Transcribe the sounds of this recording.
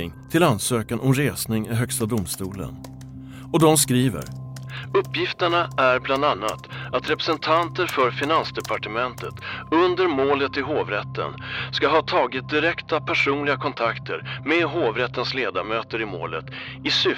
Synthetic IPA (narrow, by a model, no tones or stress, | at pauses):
ɪŋt̪ʰɪlansøːkanʔɔmɾeːsnɪŋɪɦœkst̪ad̪ʊmst̪uːlə̰n | ɔd̪ɔmskɾiːvə̰ɾ | ɵpːjɪft̪əɳaʔæɾbland̪anːa̰t̪at̪ɾɛpɾɛsɛnt̪ʰant̪əɾfœɾfɪnansd̪ɛpʰaʈəmɛnt̪ət̪ɵnd̪əɾmoːlət̪ɪɦoːvɾɛt̪ʰːə̰nskaɦɑːt̪ʰɑːɡɪt̪̚d̪ɪɾɛkt̪apʰæʂuːnlɪɡakʰɔnt̪ʰakt̪ʰə̰ɾmɛɦoːvɾɛt̪ːənsleːd̪aɾmøːt̪əɾɪmo̰ːlə̰t̪ | ɪsʏ